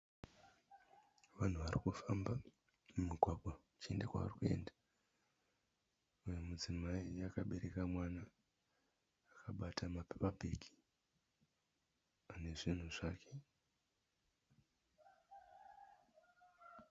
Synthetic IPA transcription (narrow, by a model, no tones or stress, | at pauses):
ʋan̤uʋarikufamba | mumiɡʱwaɡʱaut͡ʃie̞ndakwa̰ʋa̰rikue̞̰nda | ujomud͡zimaiakaɓe̞ɾe̞kamwana | kʰaɓatʰamapepapiki̥ | ane̞ʐin̤uʐaːkʰe̞